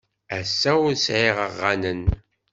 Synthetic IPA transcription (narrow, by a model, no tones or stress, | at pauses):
æsːæʊɾsʕiʁəʁːanən